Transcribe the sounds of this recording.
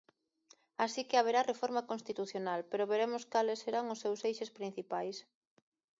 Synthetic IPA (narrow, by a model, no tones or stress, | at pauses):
asikɪaβ̞eɾarefoɾmakonst̪it̪uθjonalpeɾoβeɾemʊskalesːeɾaŋʊsːewsejʃespɾĩn̟θipajs